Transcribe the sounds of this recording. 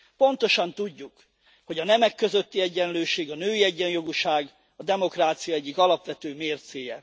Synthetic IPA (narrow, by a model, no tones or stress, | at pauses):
po̞nt̪o̞ʃɒnt̪uɟːuk | ho̞ɟɒnɛmɛkːø̞zøt̪ːiɛɟːɛnløːʃeːɡɒnøːiɛɟːɛnjo̞ɡuʃaːɡ | ɒd̪ɛmo̞kraːt̪sijɒɛɟːikɒlɒpʋɛt̪øːmeːrt̪seːjɛ